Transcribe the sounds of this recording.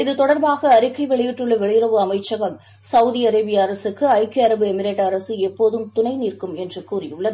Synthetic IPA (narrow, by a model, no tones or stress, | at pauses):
ɪðɯt̪ɔɽɐɾbaːɣɐːɾɪkːɐɪʋɛɭɪjɪʈːɯɭːɐʋɛɭɪjɪɾɐʋɯɐmɐɪt͡ʃːɐɣɐl | sɐʋðiɐɾɐɪbɪjɐɐɾɐsɯkːɯɐɪkeɐɾɐbɯɛmɪɾeːʈːɐɾɐsɯɛpːoːðɯmt̪ʊnɐɪniːrkɯmɛndrɯkːuːrɪjɯɭːɐðɯ